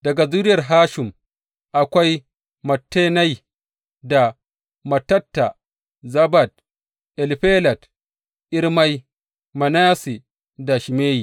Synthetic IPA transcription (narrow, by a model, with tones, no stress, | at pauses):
d̥ɐ˨ɡa˨zu˦ɾɪ˦jɐ˨rɦaː˦ʃɪ˨m | ʔa˨kʷa˦j | mɐ˨tːeː˦na˦j | da˨ | mɐ˨tːɐ˦tːa˨ | zɐ˦ba˨d̚ | ʔɛ˨lɸeː˦lɐ˨t | ʔɪ˦ɾma˦j | mɐ˨naː˦si˨ | da˨ʃi˨meː˦ji˨